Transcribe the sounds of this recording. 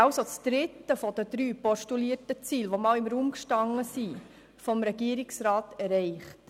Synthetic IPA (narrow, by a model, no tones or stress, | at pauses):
ɑʊsot͡sd̥̪ɾɪtːəfɔd̥əd̪ɾyːpɔʃtuliətət͡siːlʋomɑːlɪmɾuːmkʃtɑŋːəsi | fɔmɾɛɡiːəɾɪksɾɑːtɛɾɛɪχt